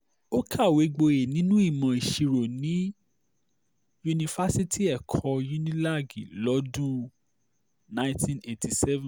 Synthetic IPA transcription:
o˦kʰa˦˨we˨˦ɡ͡bo˧e˨nĩ˨˦nũ˦i˦˨mã˨i˨ʃi˧ɾo˨nĩ˨˦ | ju˧nĩ˧fa˦si˦ti˦˨ɛ˨kʰɔ˧ju˦nĩ˦la˦˨ɡḭ˨lɔ˨˦du˦ | nã˦ĩ˦tĩ˦ne˨ti˧˨sɛ˦vɛ̃˨

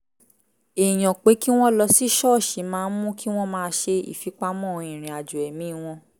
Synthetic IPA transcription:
e˨j̃ɔ̃˨k͡pe˨˦ki˦w̃ɔ̃˦lɔ˧si˦ʃɔ˦˨ʃi˨˦mãː˧˦mũ˦ki˦w̃ɔ̃˦mãː˧ʃe˧ḭ˨fi˨˦k͡pa˧˦mɔ̃˦˨˧ĩ˨ɾ̃ĩ˨a˨d͡ʒu˨ɛ˨mĩ˨˦˧w̃ɔ̃˧

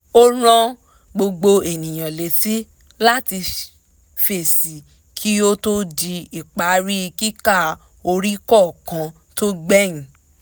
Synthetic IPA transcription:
o˦ɾ̃ã˦ | ɡ͡bo˧ɡ͡bo˧e˨nĩ˨j̃ã˨le˨ti˦ | la˦ti˧ | fe˨si˨ | kʰi˦o˦to˦di˧i˨k͡pa˨˦ɾi˦˧ki˦ka˦˨ | o˧ɾi˦kɔ˦˨kã˧˦ | to˦ɡ͡bɛ˦˨ĩ˨

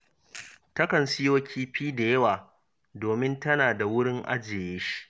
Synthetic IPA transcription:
tɐ˦kɐ˨nsɪ˦joː˦kʲʰiː˦ɸiː˦da˨jɐ˦waː˨ | doː˨mɪ˦ntɐ˦naː˨da˨wʊ˦ɽɪ˦ŋʔa̰˦d͡ʒeː˨jeː˦ʃi̥˦ʔ

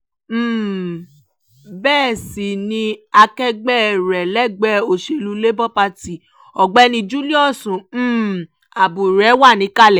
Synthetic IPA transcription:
m̩ː˦˨ | bɛː˦˨si˨nĩ˧a˧kɛ˦ɡ͡bɛ˦˨ɾɛ˨lɛ˦˨ɡ͡bɛ˦o˨ʃe˧lu˧le˦bɔ˦pa˧ti˨ | ɔ˨ɡ͡bɛ˦nĩ˧d͡ʒu˦li˦ɔ˦˨sũ˨m̩ː˦˨ | a˨bu˨ɾɛ˨˦wa˦˨nĩ˨˦ka˦˨lɛ˨

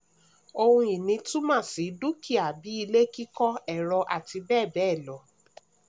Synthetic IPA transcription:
o˧hũ˧i˨nĩ˨˧tũ˦mãː˦˨si˨˦du˦kʰi˦˨a˨bi˨˦i˧le˦ki˦kɔ˦ɛ˨ɾɔ˧ʔa˨ti˧bɛː˦˨bɛ˨˦˨lɔ˨˦

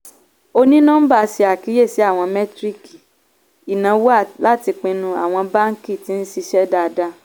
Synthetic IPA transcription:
o˧nĩ˦nã˦n̩˦ba˦˨˧si˧a˨ki˨˦je˦˨si˨˦a˦˨w̃ɔ̃˧mɛ̃˦tɾi˦˨ki˨ | i˨nã˨˦wo˦a˦˨la˦ti˧k͡pẽ˧nũ˧a˦˨w̃ɔ̃˧ba˦ŋ˦ki˦˨ti˨˦n̩˦si˧ʃɛ˦da˧da˧

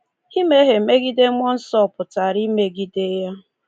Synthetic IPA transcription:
i˦me˦ɦe˨me˦ɡi˦de˦mʷ˦ɔ˦n̩˦sɔ˦˨pʊ˨ta˨ɾi˦me˨ɡi˦de˦ja˦

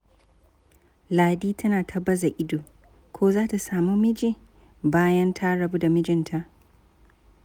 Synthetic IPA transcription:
laː˨diː˦tʰɐ˦naː˨tʰɐ˦bɐ˦za˨ʔɪ˦doː˨ | kʰʷoː˦zaː˦ta˨saː˨mu˦mɪ˦d͡ʒi˦˨ | baː˦jɐ˦ntʰa˦ɽɐ˨bu˦da˨mɪ˦d͡ʒɪ˨ntʰa˨ʔ

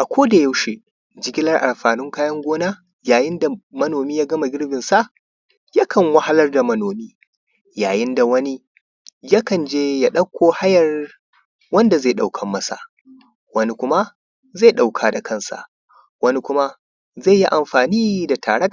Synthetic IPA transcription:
ʔa˨kʷʰoː˦da˨jɐ˦wʃe˨ | d͡ʒɪ˨ɡʲɪ˦lɐ˦rʔa˨mɸaː˨nɪ˦ŋkaː˦jɐ˦ŋɡʷoː˦naː˦ | jaː˨jɪ˦nda˨mɐ˦noː˨miː˦jaː˦ɡɐ˦ma˨ɡʲɪ˦rbɪ˨nsa˦ʔ | ja˦kʰɐ˨ŋwa˦ha˦lɐ˦rda˨mɐ˦noː˨miː˦ | jaː˨jɪ˦nda˨wɐ˦ni˦ | ja˦kɐ˨nd͡ʒeː˦ja˦ɗɐ˦kʷːoː˦ha˦jɐ˨r | wɐ˦nda˨za˦˨ɗa˨wkʰɐ˨mːɐ˦sa̰˨ | wɐ˦ni˦kʷʊ˦ma˦ | za˦˨jɗa˨wkʰaː˨da˨kʰɐ˦˨nsa̰˨ | wɐ˦ni˦kʷʊ˦ma˦ | za˦˨jːi˦ʔa˨mɸaː˨niː˦da˨tʰa̰ː˨ɽɐ˦

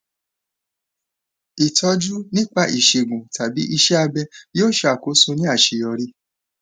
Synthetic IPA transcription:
i˨tʰɔ˧˦d͡ʒu˦nĩ˦k͡pa˦˧˨ʔi˨ʃe˨ɡũ˨ta˨bi˨˦ʔi˧ʃɛ˦a˧bɛ˧joː˦ʃa˨ko˨˦sõ˧nĩ˦a˦˨ʃe˨jɔ˧ɾi˦

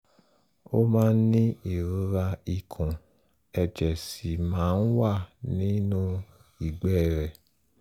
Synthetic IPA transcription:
o˦mãː˦n̩˦nĩ˦i˨ɾu˨˦ɾa˧i˨kʰɔ̃˨ | ɛ˧d͡ʒɛ˨si˨mãː˨˦n̩˦wa˦˨nĩ˨˦nũ˦ | i˨ɡ͡bɛ˦˨ɾɛ˨

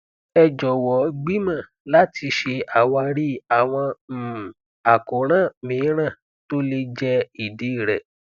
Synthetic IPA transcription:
ɛ˧d͡ʒɔ˨wɔ˨˦ɡ͡bi˦mã˦˨ | la˦tʰi˧ʃe˧a˨wa˧ɾi˦a˨w̃ɔ̃˧m̩˨ | a˨ko˨˦ɾ̃ã˦˨mĩː˨˦ɾ̃ã˦˨ | to˦le˧d͡ʒɛ˦i˦˨de˨˦i˦˨ɾɛ̰˨

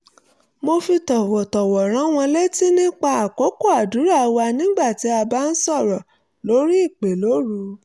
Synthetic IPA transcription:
mo˧fi˧tɔ˨wɔ˨tɔ˨wɔ˨ɾ̃ã˨˦w̃ɔ̃˧le˦ti˦nĩ˦k͡pa˧a˨ko˨˦ko˦˨a˨du˨˦ɾa˦˨˧wa˧nĩ˦ɡ͡ba˦˨ti˨˦a˧ba˦n̩˦sɔ˦˨ɾɔ˨ | lo˨˦ɾi˦i˦˨k͡pe˨lo˨˦ɾu˧

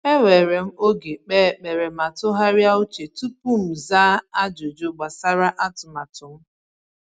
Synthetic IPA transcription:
e˦we˨ɾe˨m̩˦o˦ɡe˨k͡peː˦˨k͡pe˨ɾe˨ma˨tʊ˦ɦa˦ɾja˦ʊ˦t͡ʃe˨tu˦pu˦m̩˨zaː˦a˦d͡ʒo˨d͡ʒo˦ɡ͡ba˨sa˦ɾa˦ʔa˦tʊ˨ma˨tʊ˨m̩˦

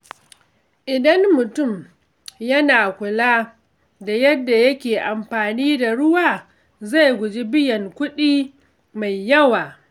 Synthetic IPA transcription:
ʔɪ˨dɐ˦nmʊ˨tʊ˦˨m | jɐ˦naː˨kʷʊ˨laː˦ | da˨jɐ˦dːa˨jɐ˦kʲeː˨ʔa˨mɸaː˨niː˦da˨ɽʊ˦waː˨ | za˦˨jɡʷʊ˨d͡ʒi˦bɪ˦jɐ˨ŋkʷʊ˦ɗiː˦ | ma˨jːɐ˦waː˨

